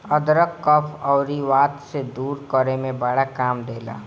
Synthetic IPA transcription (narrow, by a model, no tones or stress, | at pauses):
əd̪ɾəkːɔpʰɔːɾiʋaːt̪sed̪uːɾkəɾemẽbəɽakaːmd̪eːla̰ː